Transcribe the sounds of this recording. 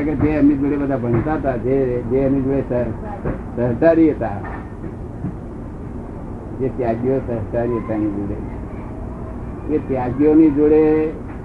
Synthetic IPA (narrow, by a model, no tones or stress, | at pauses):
akad͡zeəm̤iːd͡zoɽebəd̪ʱabʱənt̪at̪ad͡zed͡zeəmiːd͡zoɭesə | səɾʈ̪aɾijet̪a | d͡zet̪jaɡjosəɾʈ̪aɾijet̪aɽ̃id͡zoɽḛ | tet̪jaɡjoniːd͡zoɽe